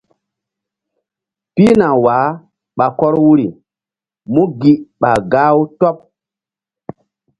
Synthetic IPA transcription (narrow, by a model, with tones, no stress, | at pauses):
pi˦na˨wa˨˦ | ɓa˨kɔ˦ɾwu˦ɾi˨ | mu˦ɡi˦ɓa˨ɡa˦u˦tɔ˦p̚